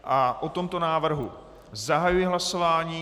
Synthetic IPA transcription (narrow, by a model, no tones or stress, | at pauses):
ʔaʔot̪o̞mt̪o̞naːvr̩ɦṵ | zaɦajujɪɦlaso̞vaːɲiː